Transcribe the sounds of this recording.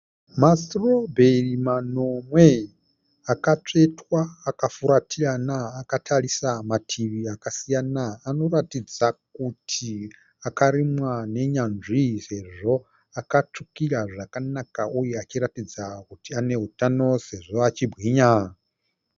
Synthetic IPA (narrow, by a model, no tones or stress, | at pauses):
masrobʱerimano̞mwe̞ | akat͡ʂe̞twaːkafuɾatʰianaːkatʰarisamatʰiʋiakasijanaːno̞ratid͡zakutʰi | akaɾimwane̞ɲanʐise̞ʐo̞ | akat͡ʂukiraʐakanakaujeat͡ʃiɾatid͡zakutiane̞ɦutano̞se̞ʐo̞at͡ʃibʱɣiɲa